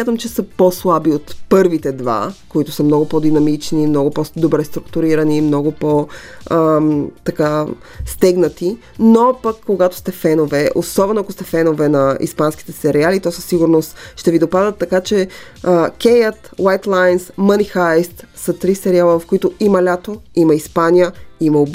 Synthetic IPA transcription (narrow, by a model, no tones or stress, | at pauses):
smʲjat̪əmt͡ʃɛsəposlˠabiot̪pɤɾvit̪ɛd̪va̰koit̪ʊ̥səmnɔɡʊpɔd̪inɐmit͡ʃnimnɔɡʊpɔsd̪obɾɛst̪ɾukt̪uɾiɾɐnimnɔɡʊpɔət̪ɐka | st̪ɛɡnət̪i | nopɐkːoɡat̪ʊ̥st̪ɛfɛnovɛʔo̰sɔbɛnʊakost̪ɛfɛnovɛnɐḭspansk̟i̥t̪ɛsɛɾialit̪ɔsəsːiɡʊɾnost̪ʃt̪ɛvid̪opad̪ət̪ːɐkat͡ʃɛ | əkʲɛjət̪wajt̪lˠajnsmənixaɛst̪sɐt̪ɾisɛɾialˠəvɐfkoit̪ʊimɐlʲat̪oimɐispanijəimɐob